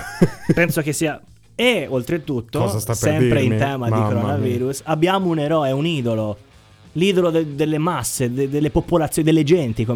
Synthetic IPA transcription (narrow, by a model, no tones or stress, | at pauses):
pɛnsok̟esːiːa | eolt̪ɾet̪ut̪ːoɔzasasɛmpɾeint̪ɛːmaikoɾonaviːɾusabːjaːmouneɾɔːeuniːd̪olo | liːd̪olod̪ed̪elːemasːed̪ed̪elːepopolat̪sːod̪elːed͡ʒɛnt̪iko